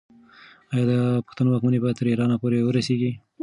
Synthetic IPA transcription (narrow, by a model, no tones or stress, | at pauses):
ɑjɑd̪əpə̥xt̪anowɑkmanebɑjat̪t̪əɾiɾɑnapoɾewəɾaseɡi